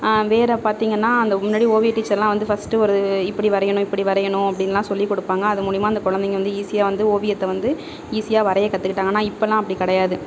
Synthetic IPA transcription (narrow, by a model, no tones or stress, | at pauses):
ʋeːɾɐpaːɾt̪iːŋɡɐnːaːɐnd̪ɐmʊnːaːɽioːʋɪjʈːiːt͡ʃːɐɾlãːʋɐnd̪ɯfɐsʈɯɔɾɐɯɪpːɐɽiʋɐɾɐjɐɳʊ̃ɪpːɐɽiʋɐɾɐjɐɳʊ̃ɐpːɐɽɪnːɐlːãːsɔlːikɔɽɯpːaːŋɡɐːðɯmuːɽɪjmaːɪnd̪ɐkɔɻɐnd̪ɛŋɡɐʋɐnd̪ɯiːsɪjaːʋɐnd̪ɯoːʋɪjɐt̪ːɛʋɐnd̪ɯ | iːsɪjaːʋɐɾɐjɐkɐt̪ːɯkɪʈːaːŋɡɐnːaːɪpːɐlːãːɐpːɐɽikɐɽɐjaːðɯ